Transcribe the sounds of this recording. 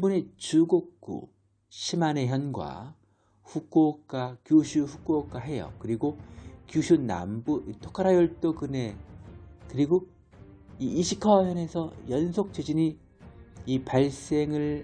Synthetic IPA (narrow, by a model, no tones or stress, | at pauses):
bune̞t͡ɕuɡok̚k͈ṵ | ɕʰimaneɦjʌnɡwa̰ | ɸuk͈ok͈akjoɕʰuɸuk͈ok͈aɦe̞jʌ̰kɯɾiɡokjuɕʰuna̰mbuitʰokʰaɾajʌɭt͈okɯne̞ | kɯɾiɡo | iiɕʰikʰʌjʌne̞sʰʌjʌnsʰok̚t͡ɕʰed͡ʑini | ipaɭs͈e̞ŋɯɭ